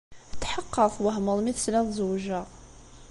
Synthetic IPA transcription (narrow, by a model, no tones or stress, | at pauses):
t̪ːħəqːəθˤwəɦməðˤmiθəslæðˤzwʒæ